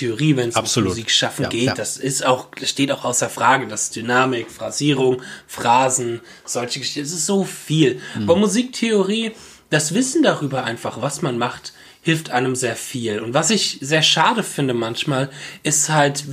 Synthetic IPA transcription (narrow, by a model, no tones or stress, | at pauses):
eoʁiːvɛnsmuziːkʃafn̩ɡeːtd̥asɪstaʊxʃteːtaʊxʔaʊsɐfʁ̥aːɡədasd̥ynaːmɪkfʁ̥aziːʁ̞ʊŋfʁ̥aːzn̩ | z̥ɔlçəɡ̥əʃɪçn̩ɛs̬ɪstz̥oːfiːlʔaːbɐmuziːk̚tʰeoʁiː | d̥asv̥ɪsn̩daʁyːbɐʔaɪnfaχv̥asmanmaχt | hɪlftʔaɪnəmzeːɐfiːlʊntv̥asɪçz̥eːɐʃaːdəfɪndəmançmaːlʔɪsthalt